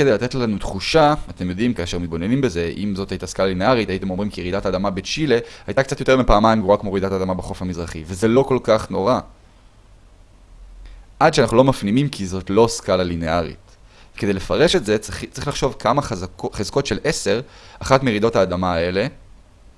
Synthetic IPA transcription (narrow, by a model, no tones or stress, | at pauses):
kedejlat̪etlanut̪χuʃaat̪emjo̞d̪imkaːʃeʁmit̪̚bo̞nenimbe̞ze̞ʔḭmzo̞thajit̪askalalineaʁit̪ait̪e̞mo̞mʁimkijeʁid̪ataːd̪amabet͡ʃile̞hajt̪akt͡sat̪jo̞teʁmipaːmajmɡuakmoʁid̪atad̪amabeχo̞fhamizʁaχiveze̞lo̞ko̞lkaχno̞ʁa | ʔad̪ʃeanaχnulo̞mafnimimkʰizo̞tlo̞skalaline̞aʁḭt | vkeejlefaʁe̞ʃetze̞t͡sʁiχlaχʃo̞vkʰamaχzχezko̞tʃe̞lʔese̞ʁaχatmeʁid̪o̞thaːd̪amaːe̞le̞